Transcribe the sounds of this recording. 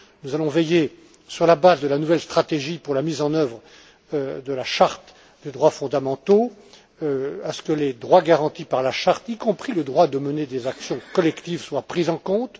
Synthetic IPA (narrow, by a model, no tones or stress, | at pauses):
nuzalɔ̃vɛje | syʁlabazd̪əlanuvɛlst̪χat̪eʒipuʁlamizɑ̃nœvʁ | d̪əlaʃaʁt̪ | d̪ed̪ʁwafɔ̃d̪amɑ̃t̪o | øasə̥kəled̪ʁwaɡaʁɑ̃t̪ipaʁlaʃaʁt̪ikɔ̃pχiləd̪ʁwad̪əməned̪ezaksjɔ̃kɔlɛkt̪ivswapχizɑ̃kɔ̃t̪